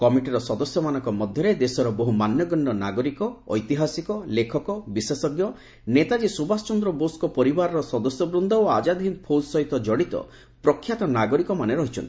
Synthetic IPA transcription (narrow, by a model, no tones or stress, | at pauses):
kɔmiʈiɾɔsɔd̪ɔsjɔmanɔ̃ŋkɔmɔd̪ʱjɔɾed̪esɔɾɔboɦumanjɔɡɔɳɖɔnaɡɔɾikɔːjt̪iɦasikɔlekʰɔkɔbisesɔɡjɔ | net̪ad͡ʒisubast͡ʃɔnd̪ɾɔboskɔpɔɾibaɾɔɾɔsɔd̪ɔsjɔbɾund̪ʱɔoad͡ʒad̪ʱɦinpʰod͡ʒsɔɦit̪ɔd͡ʒɔɽit̪ɔ̰ | pɾɔkʰːjat̪ɔnaɡɔɾikɔmaneɾɔɦit͡ʃʰɔ̰nt̪i̥